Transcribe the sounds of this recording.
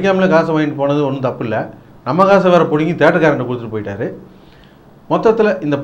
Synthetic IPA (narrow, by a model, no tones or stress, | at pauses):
k̬ʲːaːmɪlɐkaːsɐmaːɪɳɖɯpoːnɐðɯɔnːɯt̪ɐpːɯɪlːɐ | nɐmːɐkaːs̬ɐʋaːɾɐpɔɽɯŋɡit̪eːʈːɐkaːɾɐɳʈːɐkʊɽɯt̪ːɯʈːɯpoːjɪʈːaːɾɯ | mɔt̪ːɐt̪ːɪlɐʔɪnd̪ɐp